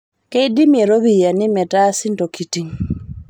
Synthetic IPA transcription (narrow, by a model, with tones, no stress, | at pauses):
ke˦idi˦mje˨ɾo˦βi˨ja˨nɪ˦mɛ˨ta˦sɪ˦nto˨ki˨ti˨ŋ